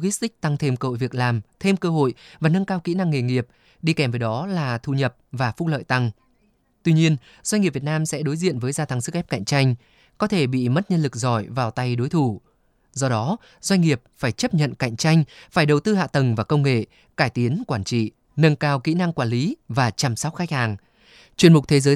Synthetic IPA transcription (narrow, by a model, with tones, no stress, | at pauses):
ɣi˦˥st̪ï˦˥k̟̚t̪a˧ŋt̪ʰe˧mkə̰˧˨jvi˨˩ək̚laː˨˩mt̪ʰe˧mkəː˧ɦo̰˧˨jvaː˨˩nə˧nkaː˧wkḭ˧˥na˧ŋːe˨˩ŋi˨˩əp̚ | ɗi˧kɛ˧˩mvəː˨˦jɗɔ˨˦laː˨˩t̪ʰu˧˨˩ɲə˨˩p̚vaː˨˩fʊ˦˥lə̰ː˧˨jt̪a˧ŋ | t̪wi˧ɲi˧ən | zwa˧ɲŋi˨˩pvi˨ət̚naː˧msɛ̰˧˥ɗo˨˦jzḭ˧˨ənvəː˨˦jzaː˧t̪ʰa˨˦ŋsɨ˦˥k̚ʔɛ˦˥p̚ka̰˧˨jŋ̟t͡ɕa˧jŋ̟ | kɔ˨˦t̪ʰe˧˩ɓḭ˧˨mə˦˥t̚ɲə˧nlɨ˨˩k̚zɔ˧˩jvaː˨˩wt̪a˧jɗo˨˦jt̪ʰu˧˩ | zɔ˧ɗɔ˨˦ | z̥wa˧jŋ̟ŋi˨˩əp̚faː˧˩jt͡ɕə˦˥p̚ɲə̰˧˨nka̰˧˨jŋ̟t͡ɕa˧jŋ̟faː˧˩jɗə˨˩wt̪ɨ˧ha̰ː˧˨t̪ə˨˩ŋvaː˨˩kə˧wŋ͡mŋḛ˧˨ | kaː˧˩jt̪i˨˦ənkwaː˧˩nt͡ɕḭ˧˨ | nə˧ŋkaː˧wkḭ˧˥na˧ŋkwaː˧˩nli˨˦vaː˨˩t͡ɕa˨˩msa˦˥wk͡p̚xa˦˥jk̚haː˨˩ŋ | t͡ɕwi˨˩əmʊ˨˩k͡p̚t̪ʰe˨˦zəː˨˦